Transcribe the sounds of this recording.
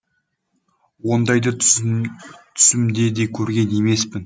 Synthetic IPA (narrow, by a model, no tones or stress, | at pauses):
wo̞nd̪ɑjd̪ə | t̪ʰʏ̥sɪmd̪e̞d̪e̞kʲʰɵɾɡʲe̞ne̞me̞spɪn